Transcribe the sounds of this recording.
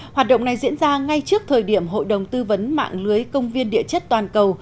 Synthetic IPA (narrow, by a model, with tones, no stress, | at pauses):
hwaː˨˩t̚ɗə̰˧˨wŋ͡mna˨˩jzḭ˧˥ənzaː˧ŋa˧jt͡ɕɨ˦˥ək̚t̪ʰəː˨˩jɗi˧˩əmɦo̰˧˨jɗə˨˩wŋ͡mt̪ɨ˧və˨˦nma̰ː˧˨ŋlɨ˨˦əjkə˧wŋ͡mvi˧ənɗḭ˧˨ət͡ɕə˦˥t̚t̪waː˨˩nkə˨˩w